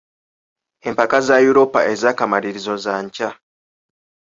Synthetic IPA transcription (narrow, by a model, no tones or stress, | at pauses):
e̞mpakazajuɾo̞pa̰ʔe̞zaːkamaɾiɾizo̞zaɲca